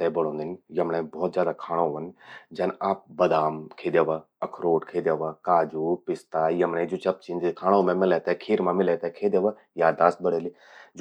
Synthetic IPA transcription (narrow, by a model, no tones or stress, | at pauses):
t̪ɛbɐɽ̤̃õːnd̪injɐmnẽbɔːt̪zjaːd̪akʰaːɽ̃õʋənd͡ʒɐnaːp̚bɐd̪aːmkʰeːd̪jeːʋa | ɐkʰɾoːʈkʰeːd̪jaːʋakaːd͡ʒuːpɪst̪aːjɐmnẽd͡ʒot͡ʃɐp̚t͡ʃĩnd̪kʰaːɽ̃õmẽmɪlet̪ɛkʰiːɾmãmɪlet̪ɛkʰeːd̪eʋa | jaːd̪aːst̪̚bəɽeli | d͡ʒ